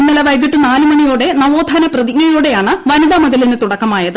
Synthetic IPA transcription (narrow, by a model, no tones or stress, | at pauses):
nːilɐʋɐjd̪iʈːɨnaːlɨmɐɳijoːɽe̞nɐʋo̞ːd̪ʱɐnɐprɐðikːɐjoːɽe̞jaːɳɨʋɐnuɽɐmɐðɐlinɨt̪uɽɐkːɐmaːjɐðɨ